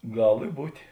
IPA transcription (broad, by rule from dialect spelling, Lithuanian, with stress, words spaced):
ˈɡɐlˠ ɪ ˈbuːtʲeː